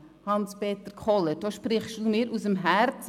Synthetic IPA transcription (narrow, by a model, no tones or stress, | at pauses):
hɑnspeːtəɾkʰɔləd̥oːʃpɾɪχstuːmɪːɾʔusəmɦɛɾt͡s